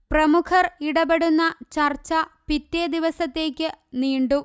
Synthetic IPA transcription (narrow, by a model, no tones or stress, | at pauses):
prɐmukʰɐriɽɐbeɽunːɐt͡ɕɐrt͡ɕːɐpit̪ːed̪iʋɐsɐt̪ːe̞ːkʲːɨniːɳɖu